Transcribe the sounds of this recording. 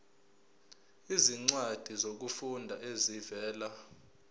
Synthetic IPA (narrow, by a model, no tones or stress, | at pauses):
iziŋ͡ǀwad̥ʱizok̬ufundʱaʔezivɛːla